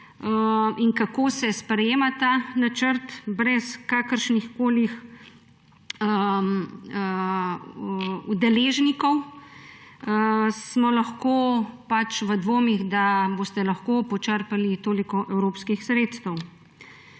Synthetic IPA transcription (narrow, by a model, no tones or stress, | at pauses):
əinkakoːsɛspɾɛjeːmat̪aːnat͡ʃəɾt̪bɾɛskaːkəɾʃnixkoːlix | əm | ud̪ɛleːʒnikɔw | smɔlaxkoːpat͡ʃʋəd̪ʋoːmiɣd̪aboːst̪ɛlaxkoːpɔt͡ʃəɾpalit̪oːlikɔʔɛwɾoːpskixsɾeːt̪st̪ɛw